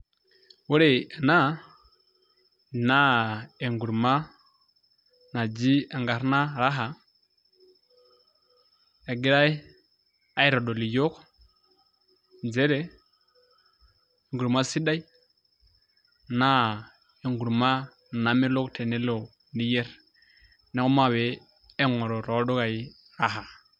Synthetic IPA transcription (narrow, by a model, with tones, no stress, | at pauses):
wo˦ɾe˨na˦˨ | na˦e˨ŋɡu˨ɾma˦ | na˨d͡ʒi˦a˨ŋɡa˨ɾna˦ɾa˦ɦa˨ | a˨ɡi˦ɾa˦j | a˦i˦ɾo˨ɗo˨li˨jo˦k | d͡ʒe˦ɾe˦˨ | ŋɡu˨ɾma˦si˦da˦ji˦ | na˦˨ | e˨ŋɡu˨ɾma˦ | na˨me˦lo˦ktʰe˨ne˦lo˨ | ni˦je˦ɾ | ne˦ko˦ma˦˨we˨˦ | e˦ŋo˨ɾo˨ɾo˨˦do˦ka˨i˦ | ɾa˦ɦa˨